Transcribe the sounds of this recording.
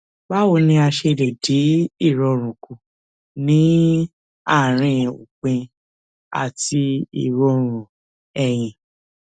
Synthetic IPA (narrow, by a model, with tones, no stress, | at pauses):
ba˦wo˧nĩ˧a˧ʃe˧de˨di˨˦i˦˨ɾɔ˧ɾ̃ũ˨ku˨ | nĩ˨˦ | a˦˨ɾ̃ĩ˧˨ṵ˨k͡pẽ˧ | a̰˨ti˧ḭ˦˨ɾɔ˧˦ɾ̃ũ˨ | ɛ˨j̃ĩ˨